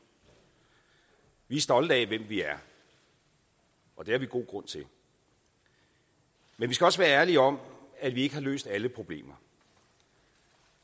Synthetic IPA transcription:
ʋiæɐsd̥ɒ̽lð̩ˠɛʋem̰ʋiæɐ | ʔɒ̽d̥e̝æɐʋiɡ̥o̝̰ːɡ̥ʁɔ̽n̰t͡sʰe̝l | menʋisɡ̥æɒ̽səʋæːɐæɐliɒ̽m̰æd̥ʋie̝ɡ̥əhɑ̈lø̰ːsd̥æləpʰʁo̝b̥le̝̰ːmɐ

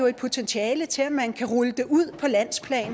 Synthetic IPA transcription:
oe̝d̥̚pʰo̝t͡sʰenɕʰiɛːlət͡sʰe̝læmænkʰæʁɔləd̥e̝ʔuð̞̰ˠpʰɒ̽læn̰spʰlɛ̰ːn

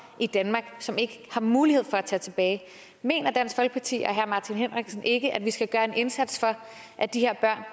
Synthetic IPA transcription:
ʔid̥ænmɑ̈ːɡ̥sɒ̽me̝ɡ̥əhɑ̈muːlihe̝ð̞̰ˠfɒ̽æt͡sʰɛ̰ːt͡sʰe̝b̥ɛːɪ | me̝̰ːnɐd̥æn̰sfɒlɡ̥ə̥pʰɑ̈t͡sʰḭːɒ̽ɦæɐ̰mɑ̈ːt͡sʰinɦen̰ʁeɡ̥snʔe̝ɡ̥əʔæd̥ʋisɡ̥æɡ̥ɶːɐe̝ne̝nsæd̥sfɒ̽ | ʔæd̥ihe̝ɐ̰b̥ɶɐ̰n

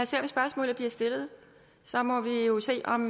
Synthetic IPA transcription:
æse̝ɐ̰msb̥ɶɐsmɔ̰̽ːlð̩ˠb̥liɐ̰sd̥e̝lð̞̩ˠ | sɒ̽mɒ̽ʋijo̝se̝̰ːɒ̽m

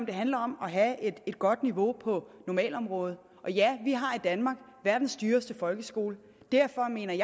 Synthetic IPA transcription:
md̥e̝ɦænlɐɒ̽mɒ̽ɦæed̥e̝d̥̚ɡ̥ɒ̽d̥niʋo̝pʰɒ̽nɒmɛ̰ːlɒ̽mʁɔ̽ːð̞̩ˠ | ʔɒ̽jæʋiɦɑ̈id̥ænmɑ̈ːɡ̥ | ʋæɐd̥n̩sd̥yːɐsd̥əfɒ̽lɡ̥əsɡ̥o̝ːlə | d̥æɐ̰fɒ̽me̝̰ːnɐj

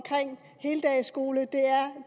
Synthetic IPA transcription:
kʰʁeŋ̰ | he̝ːləd̥ɛɪsɡ̥o̝ːləd̥e̝æɐ

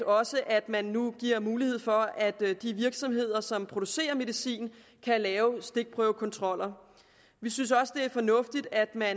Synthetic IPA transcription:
ɒ̽səʔæd̥mænːuɡ̥iɐ̰muːlihe̝ð̞̰ˠfɒ̽æd̥d̥iʋiɐɡ̥sɒ̽mɦe̝ð̞̰ˠɐsɒ̽mpʰʁo̝d̥use̝̰ːɐme̝ð̞ˠisḭːn | kʰælɛːʊsd̥e̝ɡ̥̚pʰʁœːʊkʰɒ̽nt͡sʰʁɒ̽l̰ɐ | ʋisynsɒ̽sə̥d̥e̝æɐfɒ̽nɔ̽fd̥id̥æd̥mæn

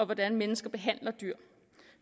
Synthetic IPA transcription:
ɒ̽ʋɒd̥ænmenəsɡ̥ɐb̥e̝ɦæn̰lɐd̥yɐ̰ | f

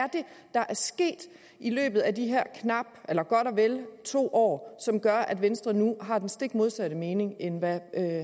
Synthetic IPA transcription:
æɐd̥e̝d̥ɑ̈ʔæɐsɡ̥e̝̰ːd̥ | ilø̰ːb̥ð̩ˠædiɦeɐ̰kʰnɑ̈b̥elɐɡ̥ɒɾ̥ɒʋelt͡sʰo̝̰ːʔɒ̰ːsɒ̽mɡ̥ɶɐʔæd̥ʋensd̥ʁɐnuɦɑ̈d̥ensd̥e̝ɡ̥mo̝ðˠsæɾ̥əme̝ːne̝ŋenʋæø

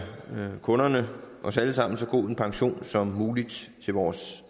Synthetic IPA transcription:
kʰɔ̽nɐnəʔɒ̽sæləsɑ̈m̰n̩sɒ̽ɡ̥o̝̰ðˠe̝npʰɑ̈ŋɕo̝̰ːnsɒ̽mːuːlid̥t͡sʰe̝ʋɒːs

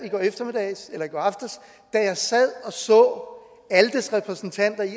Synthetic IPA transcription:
iɡ̥ɒ̰ːefd̥ɐmid̥ɛɪselɐiɡ̥ɒ̰ɑfd̥ɐs | d̥æjɑ̈ɪsæð̰ˠɒ̽sɒ̽ː | æləd̥esʁɛpʰʁɛsn̩t͡sʰæn̰d̥ɐi

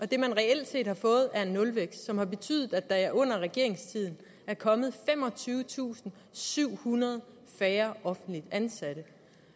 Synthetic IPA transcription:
ʔɒ̽d̥e̝mænʁɛel̰d̥se̝̰ːd̥hɑ̈fɔ̽ːð̞̩ˠæɐe̝nːɔ̽lʋeɡ̥ssɒ̽mhɑ̈b̥e̝t͡sʰy̰ðˠð̩ˠæd̥ɑ̈æɐʔɔ̽n̰ɐʁɛɡ̥e̝ɐ̰e̝ŋst͡sʰið̰ˠn̩ | æɐkʰɒ̽mð̞̩ˠfem̰ɒ̽t͡sʰyːʊət͡sʰṵːsn̩ | syʊ̰hunɐð̞ˠ | fɛːɐʔɒ̽fn̩d̥lid̥ænsæɾ̥ə

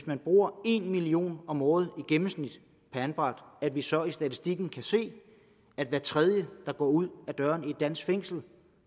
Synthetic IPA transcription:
smænb̥ʁuːɐe̝nmilio̝̰ːnɒ̽mɔːð̞̩ˠiɡ̥emm̩snid̥ | pʰæænb̥ʁɑ̈d̥æd̥ʋisɒ̽isd̥æt͡sʰisd̥iɡ̥n̩kʰæse̝̰ː | æd̥ʋæːɐt͡sʰʁɛð̞ˠjəd̥ɑ̈ɡ̥ɒ̰ːuð̞̰ˠæd̥ɶːɐnied̥̚ːæn̰sɡ̥feŋ̰sl̩

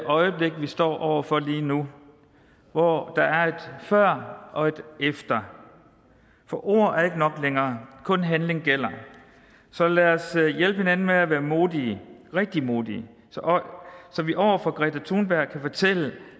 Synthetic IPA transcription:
ʔɒ̽ɪəb̥le̝ɡ̥ʋisd̥ɒ̰ːʔɒʊ̰ɐfɒ̽liːnu | ʋɒd̥ɑ̈æɐe̝d̥fɶɐ̰ʔɒ̽e̝d̥efd̥ɐ | fɒʔo̝̰ɐ̰æɐe̝ɡ̥ənɒ̽ɡ̥leŋɐːkʰɔ̽nɦænle̝ŋɡ̥el̰ɐ | sɒ̽læɐsjelb̥əhe̝nænn̩meæʋæːɐmo̝ːðˠiːʁɛɡ̥̚d̥imo̝ːðˠi | sɒʔsɒ̽ʋiʔɒʊ̰ɐfɒ̽ɡ̥ʁɛ̰d̥ʰɐt͡sʰuːnb̥æɐ̰ɡ̚kʰæfɒt͡sʰel̰ə

